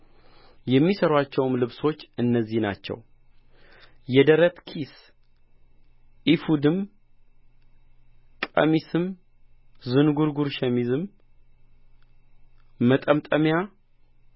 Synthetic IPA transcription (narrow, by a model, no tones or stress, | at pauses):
jɛmːisəɾwat͡ʃːɛwmlɨβso̞t͡ʃːɨnːəzːihna̰t͡ʃːɛ̰w | jɛd̪əɾət̪kʰis | ʔifud̪ɨm | kʼə̰misɨm | zɨnɡuɾɡuɾʃɛmizɨm | mət̪ʼəmt̪ʼəmja